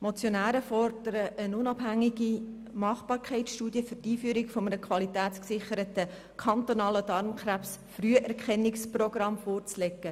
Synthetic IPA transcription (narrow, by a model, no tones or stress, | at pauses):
mot͡sjonæːɾəfɔrd̥əɾəʔənʊnɑb̥ɦæŋːiɡi | mɑχb̥ɑːɾkʰɛɪtsʃtuːdjəfʏrtiːfyːəɾɪkfomənəkʰwɑlitæːt͡sksɪχəɾətə | kʰɑnt̪onɑːlədɑɾmkræpsfryəʔɛɾkχɛnːɪksproɡ̥ɾɑmfoːɾt͡slekːə